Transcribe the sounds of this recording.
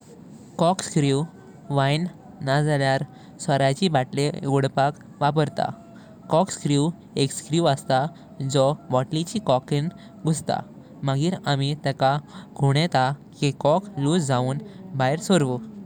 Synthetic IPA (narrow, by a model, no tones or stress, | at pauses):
kɔkskɾiu | ʋajn | nad͡zaljaɾ | səɾat͡ɕibaʈlḛɡoɽpak | ʋap̬əɾt̪a̰ | kɔkskɾiu | ekskɾiuwəst̪a | d͡zɔʋɔʈlit͡ɕikɔkin | ɡʱust̪a̰ | maɡiːɾamit̪ɛkaɡʱuɽ̃ɛt̪akikɔkluːsd͡zauːnbajɾsoɾʋu